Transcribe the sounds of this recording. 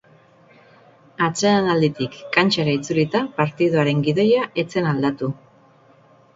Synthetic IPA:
at͡seanald̪it̪ikːant͡ʃaɾait͡sulit̪apaɾt̪iðoaɾe̞ŋɡiðo̞jaʔe̞t͡se̞nald̪at̪u

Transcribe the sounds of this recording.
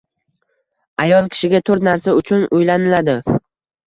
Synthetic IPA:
ajɒlˠkʲʰɪ̥ʃɪɡʲat̪ʰɵɾt̪naɾsaʊt͡ʃʰʊnʔʊjlanɪlad̪ɪ

